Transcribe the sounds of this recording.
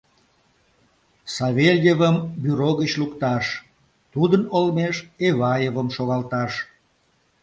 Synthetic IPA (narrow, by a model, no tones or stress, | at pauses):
sɑβelʲjevəmbyɾoɣət͡ɕlukt̪ɑʃ | t̪ud̪ənolmeʃeβɑjevəmʃoɣɑlt̪ɑʃ